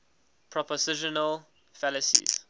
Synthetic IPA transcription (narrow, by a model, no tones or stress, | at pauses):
pʰɹɔpɔsɪʃɔnəl | fɛləsḭz̥